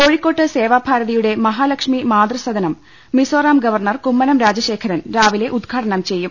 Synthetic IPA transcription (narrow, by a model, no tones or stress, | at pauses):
koːɻikːo̞ːʈːɨse̞ːʋaːbʱaːɾɐðijuɽe̞mɐɦaːlɐkʂmimaːd̪rɐsɐd̪ɐnɐmː | isoːraːmɡɐʋɐrnɐrkumːɐnɐmɾaːd͡ʑɐɕe̞ːkʰɐɾɐnɾaːʋile̞ʔud̪ɡʰʱaːʈɐɳɐmt͡ɕe̞jːum